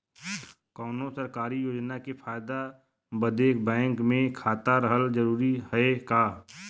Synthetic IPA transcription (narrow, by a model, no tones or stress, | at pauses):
kɔːnõsəɾkaːɾijoːd͡ʒnakepʰaːjd̪a | bəd̪eːkbɛ̃ːŋkmẽkʰaːt̪aɾəɦəld͡ʒəɾuːɾihəekaː